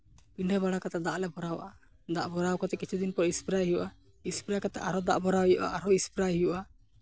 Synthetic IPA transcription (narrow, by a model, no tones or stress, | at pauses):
piɳɖɛbaɽakat̪ad̪aʔlɛbɔɾawʔa | d̪aʔbɔɾawkɔt̪ɛkit͡ʃʰud̪inpɔɾispɾajɦijuʔa | ispɾakat̪ɛʔaɾɔd̪a̰ʔbɔɾawjɔʔa̰ʔaɾɔispɾajɦijuʔa